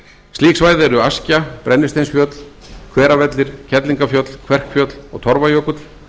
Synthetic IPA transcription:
st̪iːksvaːjðɛɾʏascapɾʔɛnːɪst̪ejnsfjœt̪l̥ | kʰvɛːɾavɛt̪lɪɾ̥cʰɛt̪liŋkafjœt̪l̥kʰvɛr̥kfjœt̪l̥ɔ̰ɣt̪ʰɔɾvajœːkʏt̪

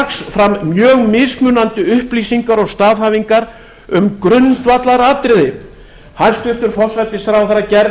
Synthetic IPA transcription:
ksfɾamːjœːɣmɪsmʏːnant̪ʏʏhpliːsiŋkaɾɔɣst̪aːvɦaːviŋkaɾ | ʏmkɾʏnt̪vat̪laɾaːt̪ɾɪðɪ | haɾ̥st̪ʏht̪ʏɾ̥fɔr̥svajt̪ɪsθɾaːwθaɾacɛɾ

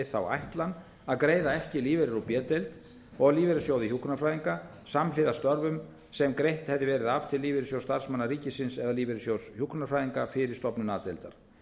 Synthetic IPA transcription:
ɪθawa̰jht̪lan | aðkɾeːjðaɛhcɪliːvɛɾɪɾupjɛːt̪elt̪ | ɔɣliːvɛɾɪsjoːwðɪçuhknafɾaːjðiŋka | samlɪðast̪œɾvʏm | sɛmkɾejht̪hɛvðɪvɛːɾɪðav̥t̪ʰɪlːiːvɪɾɪsjowst̪aɾ̥smanːariːcɪsɪnsɛðaliːvɛɾɪsjowshuhknafɾaːjðiŋkafɪɾɪɾ̥st̪ɔpnʏnaːðt̪elt̪a̰ɾ̥

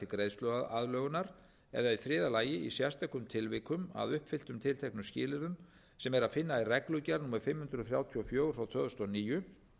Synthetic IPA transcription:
ɪkɾeːjst̪œɣaða̰ðlœːɣʏnaɾ | ɛ̰ðaifɾɪːðalaːjɪḭsjast̪aɛkʏmt̪ʰɪlvɪkʏma̰ðʏhpfɪl̥t̪ʏmt̪ʰɪlt̪ʰɛhknʏscɪːlɪðʏn | sɛmɛɾaðfɪnːairɛklʏcaɾnuːmaɾfɪmhʏnd̪ɾʏðθɾjaːwt̪ʰiɔfjoːwɾawt̪ʰœːðst̪ɔniːjʏ

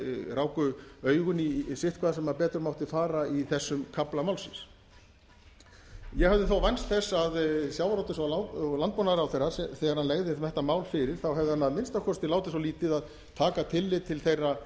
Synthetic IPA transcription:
raːwkʏœːɥɣʏnisɪht̪̚kʰvaːðasɛmːapɛːt̪ɾʏɾmawht̪ɪfaːɾaiθɛsːʏmkʰaplamaːwlsɪns | jɛɣhɛvðɪθowvajnst̪θɛsːaðsjawɾawt̪ɪsɔlalant̪pɔːnaðɾawθejrːaθɛːɣaɾ̥hanlɛɣðɪmɛht̪amaːwlfɪɾɪɾ̥θawɦɛvðɪhanːaðmɪnst̪akʰɔst̪ɪlaːwt̪ɪsɔliːt̪ɪðað | t̪ʰaːkat̪ʰɪlːɪðt̪ʰɪlθejrːa

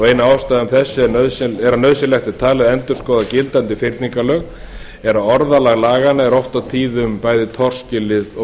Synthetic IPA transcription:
ejnaaːwst̪ajðʏmθɛsːɪnœðsɛɾanœðsɪlɛxt̪ɪt̪ʰaːlɪðɛnt̪ʏɾ̥skɔːðacɪlt̪ant̪ɪfɪɾt̪niŋkalœːɣ | ɛɾaɔɾðalaɣlaːɣanaɛɾɔwht̪awt̪ʰiːðʏmpaːjðɪt̪ʰɔr̥scɪlɪðɔ

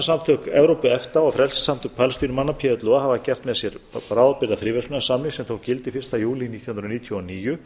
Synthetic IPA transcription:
samt̪ʰœkɛvɾowpʏɛft̪aɔfɾɛlssam̥t̪ʰʏk̚pʰalst̪iɾmanːapʰɛːðʏt̪lɔɣaɦaːvacɛr̥t̪mɛðsjɛɾpɾaːwðpɪɾðaθɾiːvɛsʏnasamlɪŋsɛmθowcɪlt̪ɪifɪr̥t̪ajuːliniːt̪j̥hunɾniːt̪ʰjɔɔniːjʏ

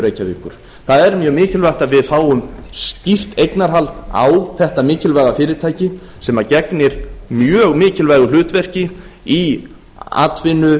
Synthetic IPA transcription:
ɾeːjcavɪhkːʏɾ̥ | θaðɛɾmjœːɣmɪːcɪlvar̥t̪aðvɪðfaːwʏmscir̥t̪ejknaɾɦalt̪a̰wθɛht̪amɪːcɪlvajɣafɪːɾɪɾt̪ʰaːjcɪ | sɛmacɛknɪɾ̥mjœːɣmɪːcɪlvajɣʏl̥ʏːt̪vɛr̥cɪi | a̰ːt̪vɪnʏ

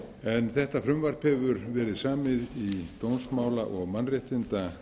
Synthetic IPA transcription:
ɛnθɛht̪afɾʏmvaɾ̥phɛvʏɾvɛːɾɪðsaːmɪðit̪ownsmaːwlaʔɔɣmanreɪht̪ɪnt̪a

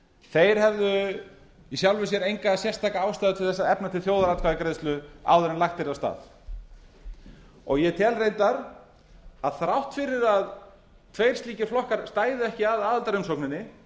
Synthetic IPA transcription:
θejɾ̥ɦɛvðʏ | isjawlvɪs̬jɛɾejŋkasjɛr̥st̪ʰaːkaaːwst̪aːðʏt̪ʰvɪlθɛsːaðɛpnat̪ʰɪlθjowðaɾat̪kʰaðɪkɾejðst̪lʏa̰wðʏɾɪnlaxt̪ɪɾast̪a̰ːð | ɔ̰ɣjɛt̪ʰɛːlrejt̪aɾ | aðθɾawht̪fɪɾːɪɾað | t̪ʰvejɾ̥st̪liːcɪ̥flɔhkaɾ̥st̪aːjðʏɛhcɪaðaːðalt̪aɾʏmsoknɪnːɪ

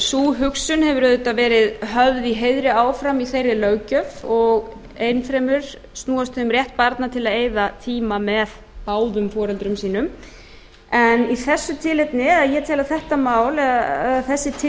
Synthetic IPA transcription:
suːɦʏksʏnhɛvʏɾœðʏt̪avɛːɾɪðɦœvðiɦejðɾɪaːwfɾamiθejrːɪlœːɥcœfɔɣ | ejnfɾɛmʏɾ̥ | st̪uːast̪ːmɾrjɛht̪̚paɾt̪nat̪ʰɪlaðeːjðat̪ʰiːmamɛð | paːwðʏmfɔːɾɛlt̪ɾʏmsiːnʏm | ɛniθɛsːʏt̪ʰɪlɛt̪nɪaðjɛt̪ʰɛːlaθɛht̪amaːwlɛɛðaθɛsːɪt̪ʰɪ

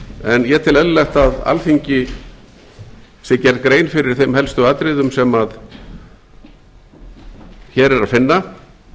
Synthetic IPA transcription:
ɛnjɛt̪ʰɪlɛðʏlɛxt̪aða̰lθiɲcɪ | sɛcɛɾt̪̚kɾeːjnfɪɾɪɾ̥θejmhɛlst̪ʏaːt̪ɾɪðʏmsɛmað | çɛːɾɛɾaðfɪnːa

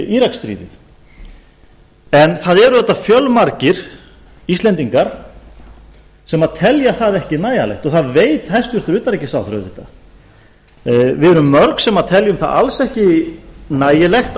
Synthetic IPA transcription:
iːɾakst̪ɾḭːðɪ̰θ | ɛnθaðɛɾʏðɛt̪ːafjœlmaɾcɪɾ̥ | ist̪lɛnt̪iŋkaɾ̥ | sɛmaðt̪ʰɛljaθaðɛhcɪnaːjalɛ̰jht̪ɔθaðveːjt̪hajst̪vʏɾ̥θʏɾʏːt̪aɾɛcːɪsaːwθɾœ̰ðɪt̪ːa | vɪðɛɾʏmːœɾksɛmaðt̪ʰɛljʏmθa̰ða̰lsɛhcɪnaːjɪlɛxt̪

